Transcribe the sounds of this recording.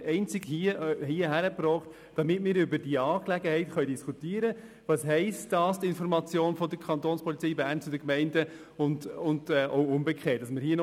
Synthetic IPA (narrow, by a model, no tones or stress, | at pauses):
ɛɪnt͡sɪɡhiəhiːəɦæɾəpɾɔːχt | d̥ɑmɪtmɪːɾybədiɑːklɛɡəhɛɪtχœʏdiskutiːəɾə | ʋɑsɦɛɪstdɑːsd̥̪ɪnfɔɾmɑt͡sjoːnfɔdəɾkʰɑnt̪oːnspʰɔlit͡sɛjbæɾnt͡sudəkmɛɪndə | ʊndʊndɛʔoʊʊmbəkʰχɛːt̚d̥ɑsməɾɦiːən